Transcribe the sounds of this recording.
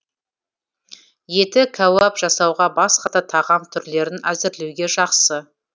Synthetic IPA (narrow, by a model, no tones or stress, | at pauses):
je̞t̪ɪkʲʰawɑpʒɑsɑwʁɑbɑsqɑt̪ɑt̪ʰɑʁɑmt̪ʰʏɾle̞ɾɪnæzɪɾlewɡʲe̞ʒɑqsə